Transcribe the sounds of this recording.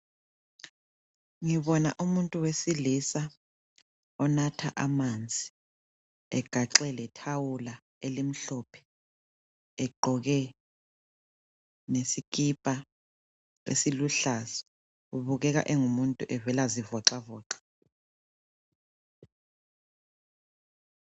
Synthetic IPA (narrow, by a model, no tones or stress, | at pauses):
ŋiβɔna̰ʔumuntʼuwesilisa | ɔnatʰa̰ʔamand͡zʱi̥ | ɛɡ̥ʱaǁɛlɛtʰawula | elim̩ɬɔːpʰɛ̥ | ɛɡ͡ǃʱɔɣɛ | nesikʼipʼa | ḛsiluɬazɔ̥ | uβuɣɛɣa̰ʔeŋumuntʼuʔɛvɛlazivɔǁavɔːǁḁ